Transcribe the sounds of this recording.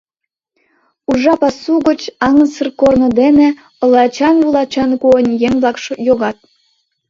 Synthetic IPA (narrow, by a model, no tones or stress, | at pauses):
uʐɑpɑsuɣə̆t͡ɕɑŋə̆nsərkornŏd̪enĕ | ɤ̆lˠɑt͡ɕɑnvulˠɑt͡ɕɑnkuənʲjeŋblˠɑkʃŏjoɣɑt̪̚